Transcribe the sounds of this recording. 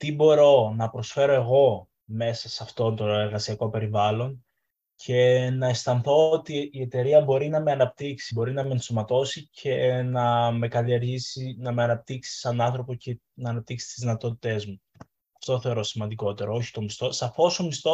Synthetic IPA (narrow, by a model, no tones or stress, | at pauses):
t̪ibo̞ɾo̞nɐpɾo̞sfe̞ɾo̞e̞ɣo̞ | me̞sɐsɐft̪o̞nt̪o̞e̞ɾɣɐsiɐko̞pe̞ɾivɐlo̞n | cʰe̞nɐest̪ɐnθo̞ot̪iːe̞t̪e̞ɾiɐbo̞ɾinɐme̞ɐnɐpt̪iksibo̞ɾinɐmensomɐt̪o̞sicʰe̞nɐme̞kɐlieɾʝisinɐme̞ɐnɐp̚t̪iksi̥sɐnɐnθɾo̞po̞ce | nɐːnɐp̚t̪iksi̥t̪izðinɐt̪o̞t̪i̥t̪e̞zmu | ɐft̪o̞θe̞o̞ɾo̞simɐnd̪iko̞t̪e̞ɾɐo̞çi̥t̪o̞mist̪o̞sɐfo̞so̞mist̪o